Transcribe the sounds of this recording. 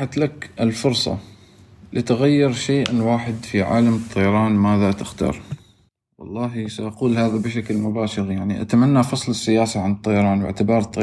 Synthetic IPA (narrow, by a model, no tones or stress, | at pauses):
ħat̪lakʔɪlfʊɾsˤɑ̰ | lit̪ɪɣajːɪɾʃeːʔɪnwaːħɪd̪fiʕa̰ːlamt̪ˤːɑjɑɾˤɑːnmaːðat̪ɪxt̪ɑ̰ːɾˤ | wɑ̰lˤːɑːɦisaʔaquːlhaːðabɪʃaklmʊbaːʃɪɾjaʕniʔa̰t̪amanːafɑsˤlɪsːɪjaːsaʕant̪ˤːɑjɑɾˤɑːnwɪ̰ʕt̪ɪbɑːɾˤt̪ˤːɑ